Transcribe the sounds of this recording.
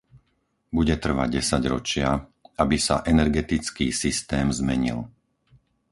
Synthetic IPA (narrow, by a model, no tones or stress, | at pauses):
buɟɛt̪r̩ʋa̰ɟɛsaɟɾɔt͡ʃɪaabisa̰ʔɛnɛɾɡɛt̪it͡skiːsist̪ɛːmzmɛɲḭl